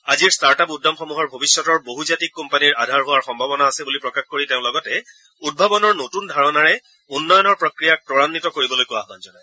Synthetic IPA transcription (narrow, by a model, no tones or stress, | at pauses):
aziɹstaɹtapudːamxɔmuɦɔɹbʱobisːɔtɔɹboɦuzatikːɔmpaniɹadʱaɹɦʊwaɹxɔmbʱabɔnaːsɛbulipɹɔkaxkoɹiteʊ̃lɔɡɔtɛ | ud̚bʱabɔnɔɹnotundʱaɹɔnaɹɛ | unːɔjɔnɔɹpɹɔkɹijak̚pɹɔɹanːitɔkoɹibɔlojkoaɦbanzɔnaj